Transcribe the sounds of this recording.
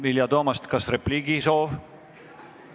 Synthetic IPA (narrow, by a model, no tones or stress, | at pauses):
viljɑt̪oːmɑst̪kɑsrepliːɡiso̞ːv